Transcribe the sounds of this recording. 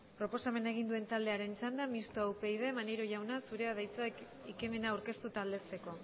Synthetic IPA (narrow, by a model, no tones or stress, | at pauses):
pɾo̞po̞same̞naeɣ̞ind̪ue̞nt̪ald̪e̞aɾe̞nt͡ʃand̪amist̪oawpe̞jð̞e̞maneɾo̞ʝawnasuɾe̞aðajt͡sak | ike̞me̞nawɾke̞st̪ut̪aːld̪e̞se̞ko̞